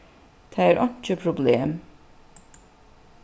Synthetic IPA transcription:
d̪̥ʰææːɾʔɑnt͡ʃəpʰɾʊbleːm

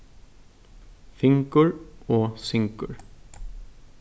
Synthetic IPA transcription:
fɪŋkʏɹɔsɪŋkʏ̰ɾ

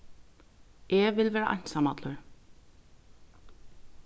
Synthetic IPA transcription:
ʔɛʋɪlʋɛːɾa̰ʔɑ̰jnsamɑt̪lʊɹ

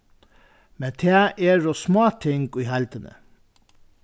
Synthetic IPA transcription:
mɛt̪ʰeːʔeːɾosmoːt̪ʰɪŋɡiːhælt̪ənə̰

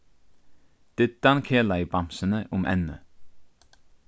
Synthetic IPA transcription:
d̪̥ed̪̥ɑnkʰeːlɑɪbɑmsənəʔʊmʔɛ̰nə̰

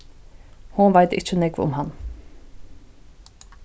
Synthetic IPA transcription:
hʊnʋæɪt̪ɪ̰t͡ʃənɛɡʋʊ̰mhɑn

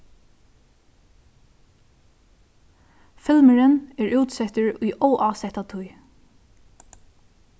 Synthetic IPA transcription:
fɪlməɹənɛɹʔuːt̪sɛht̪əɹʊjʔɔwʔaːsɛht̪at̪ʰʊj

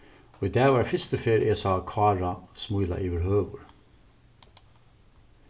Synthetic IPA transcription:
oːiːd̪æːʋɑːɾfɪst̪əfeːɾʔeːsɑːkʰʋɑːɹɑsmujlɑ̰ʔiːʋəɾɦhøːʋʊɹ

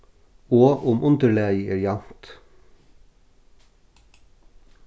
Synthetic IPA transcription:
oːʔʊmʔʊnd̪əɭæːɪɛɾɪɑnt̪

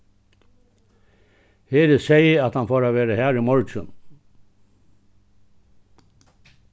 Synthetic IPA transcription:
heːɾəseɪəɑt̪hɑnfoːɾaːʋeːɾəhæːɾiːmɔɹt͡ʃə̰n

